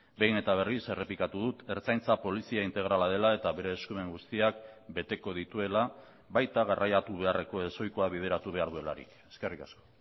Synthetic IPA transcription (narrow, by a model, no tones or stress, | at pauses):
be̞jne̞t̪aβ̞e̞rise̞re̞plikat̪uðut̪e̞ɾt͡sajnt͡sapo̞lisiaint̪e̞ɣ̞ɾalað̞e̞lae̞t̪aβe̞ɾe̞ːskume̞ŋɡust̪iak̚be̞t̪e̞ko̞ð̞it̪ue̞la | βajt̪aɣ̞arajat̪uβ̞e̞are̞ko̞e̞so̞jkoaβ̞ið̞e̞ɾat̪uβ̞e̞aɾðuelaɾḭke̞ske̞rikasko̞̥